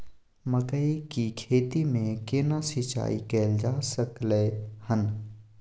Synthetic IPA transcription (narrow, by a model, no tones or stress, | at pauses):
məkəikikʰeːt̪imẽkenasit͡ʃa̰ːḭkɛːld͡ʒaːsəklehən